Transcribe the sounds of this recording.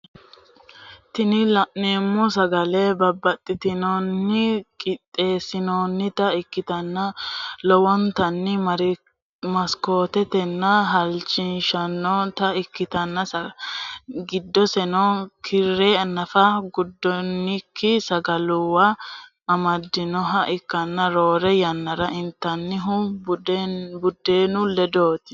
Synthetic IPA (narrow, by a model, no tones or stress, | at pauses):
t̪ɪnɪlɐʔneːmːɔs̬ɐɡɐlɛbɐbːɐt̪ʼːɪt̪ɪnɔnːɪkʼɪt̪ʼːe̞ːsɪnoːnːɪt̪ɐɪkːɪt̪ɐnːɐlɔwɔnt̪ɐnːɪɾ | mɐsko̞ːt̪ɛt̪ɛnːɐɦɐlt͡ʃɪnʃɐnːɔt̪ɐɪkːɪt̪ɐnːɐsɐ | ɡɪd̪ːɔsɛnɔkʰɪɾːeːɐnːɐfɐɡʊd̪ːɔnːɪkʰːɪsɐɡɐlʊwɐ | ɐmɐd̪ːɪnɔɦɐʔɪkːɐnːɐɾo̞ːɾɛjɐnːɐɾɐʔɪnt̪ːɐnːɪɦʊ | bʊd̪ːeːnʊlɛd̪o̞ːt̪ɪ̥